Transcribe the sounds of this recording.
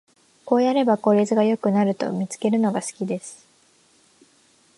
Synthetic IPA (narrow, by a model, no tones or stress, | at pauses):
ko̞ːjaɾe̞bako̞ɾʲizɨɡajo̞kɯ̟naɾɯ̟t̪o̞̰mʲit͡sɨ̥ke̞ɾɯ̟no̞ɡasɨ̥kʲid̪e̞sɨ̥